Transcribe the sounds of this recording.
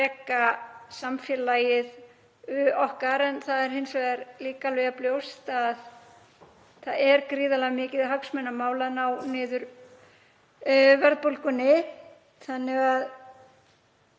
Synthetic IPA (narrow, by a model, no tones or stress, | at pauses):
ɛːkasamfjɛlaːjɪð | ʏɔhkaɾɛnθaðɛɾ̥hɪnsvɛaɾliːkalœɣapljowst̪að | θaðɛɾkɾiːðalaɣmɪːcɪðɦœksmɛnːamaːwlanawnɪːðʏɾ | vɛɾðpolkʏnːɪ | θanːɪɣað